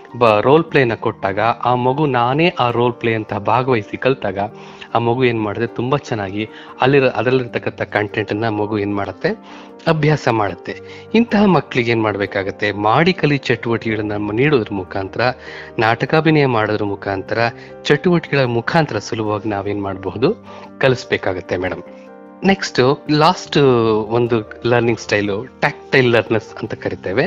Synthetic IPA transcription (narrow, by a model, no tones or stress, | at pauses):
bɐɾo̞ːlpleːjɐnːɐkoʈːaːɡɐʔaːmɐɡunaːne̞ːʔaːɾo̞ːlplejɐnt̪ɐɦɐbʱaːɡɐʋɐjsikɐɭt̪aːɡɐ | aːmɐɡue̞ːnmaːɽɐd̪et̪umbɐt͡ʃɛnːaːɡi | ɐlːiɐd̪ɐlːiɾt̪ɐkːɐnt̪ʰɐkɐɳʈeɳʈɐnːɐːmɐɡue̞ːnmaːɽɐt̪ːe̞ | ɐbʱjaːsɐmaːɽɐt̪ːe̞ | int̪ɐɦɐmɐkːɐɭiɡeːnmaːɽɐbeːkaːɡɐt̪ːe̞maːɽikɐlit͡ʃɐʈːuʋɐʈiɡɐɭɐnːɐniːɽoːd̪ɐɾɐmukʰaːnt̪ʰɐɾɐnaːʈɐkaːbinɐjɐmaːɽoːd̪ɐɾumukʰaːnt̪ʰɐɾɐ | t͡ʃɐʈːuʋɐʈiɡɐɭɐmukʰaːnt̪ɐɾɐsulubʱɐʋaːɡinaːʋe̞ːnmaːɽbɐɦud̪u | kɐlisbeːkaːɡɐt̪ːe̞mɛːɽɐm | ne̞ksʈulaːsʈond̪ulɐɾniŋɡsʈɐjluʈaːk̚ʈɐjlːɐɾnɐɾsɐnt̪ɐkɐɾit̪eːʋe̞